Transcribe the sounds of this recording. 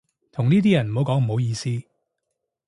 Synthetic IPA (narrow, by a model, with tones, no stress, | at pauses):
t̪ʰʊ˨˩ŋniː˥t̪iː˥jɐ˨˩nm̩˨˩ho˨˥wkɔː˨˥ŋm̩˨˩ho˨˥wjiː˧siː˥